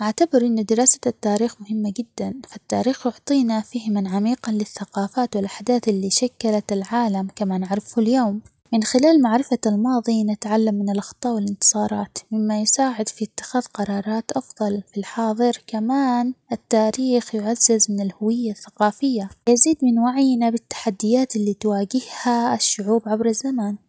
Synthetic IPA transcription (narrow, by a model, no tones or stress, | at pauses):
ʔaʕt̪abɪɾʔɪnːʊd̪ɪɾɑːsḁt̪ːaːɾiːxmʊɦɪmːad͡ʒɪd̪ːanfat̪ːaːɾiːxjʊʕt̪ˤiːnafihɪmanʕamiːqɑnlɪθːaqɑːfaːt̪wɪlʔaħd̪aːθʔɪlːiːʃakːalat̪ɪlʕaːlamkamaːnaʕɾɪfhʊljoːm | mɪnxɪlaːlmaʕɾɪfalmɑːðˤinɪt̪ʕalːamːɪnɪlʔɑxt̪ˤːɑːʔwɪlɪnt̪ɨ̥sˤɑːɾˤɑːt̪mɪmːajsaːʕɪd̪fiɪt̪ːɪ̥xaːðqɑɾˤɑːɾˤɑːt̪ʔɑfðˤɑlfilħɑːðˤɨɾkamaːnʔɪt̪ːaːɾiːxjʊʕazːɪzmɪnɪlhʊwɪjːaθːḁqɑːfɪjːajaziːd̪mɪnwaʕjnabɪt̪ːḁħad̪ːɪjaːt̪ɪlːiːt̪waːɡɪhhaɪʃːʊʕuːbʕabɾazːamaːn